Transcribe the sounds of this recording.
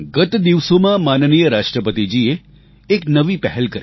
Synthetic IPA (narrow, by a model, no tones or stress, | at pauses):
ɡət̪d̪iʋsomãmannijəɾaʃʈɾəpət̪id͡ʒieː | knəʋipɛɦɛlkəɾ